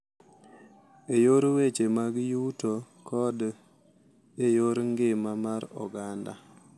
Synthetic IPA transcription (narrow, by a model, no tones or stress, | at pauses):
ejoɾwet͡ʃemaɡjuto | kʰɔd | ejoɾŋɡɪmamaɾɔ̰ɡanda̰